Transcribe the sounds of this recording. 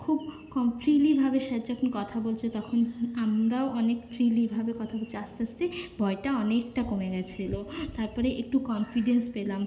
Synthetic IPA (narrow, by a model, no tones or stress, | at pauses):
kʰub̚ | kɔmfʰɾilibʱabeʃat̪d͡ʑɔkʰonkɔt̪ʰabolt͡ɕʰet̪ɔkʰonamɾaoʔɔnekfɾilibʱabekɔt̪ʰabolt͡ɕʰeast̪east̪ebʱɔeʈaɔnek̚ʈakomeɡɛt͡ɕʰilot̪aɾpɔɾeʔek̚ʈukɔnfiɖenspelam